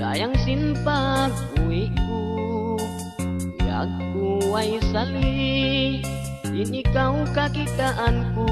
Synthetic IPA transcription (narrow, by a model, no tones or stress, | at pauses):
sa̰jaŋsimpa | uiku | ja̰kːuwajsali | inikaukakit̪aʔanku